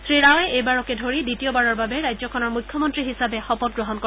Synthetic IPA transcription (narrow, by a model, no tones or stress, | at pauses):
sɹiɹawɛʔejbaɹɔkɛdʱoɹiditiobaɹɔɹbabɛɹajzɔkʰɔnɔɹmujkʰːjɔmɔntɹiɦisabɛxɔpɔt̚ɡɹɔɦɔnkɔ